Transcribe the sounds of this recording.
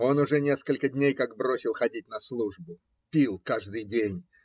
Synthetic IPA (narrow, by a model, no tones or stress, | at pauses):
o̞nʊʐɛnʲe̞skəlʲkədʲnʲejkaɡ̚bɾo̞sʲɪlˠxɐdʲitʲnɐslˠuʐbʊ | pʲilˠkaʐd̪ɨjdʲenʲ